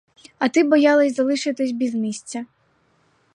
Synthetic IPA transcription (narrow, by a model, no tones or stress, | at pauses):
ɐt̪ɪbɔjɑlˠɐsʲzɐlˠɪʃɪt̪ɪsʲbʲizmʲisʲt͡sʲɐ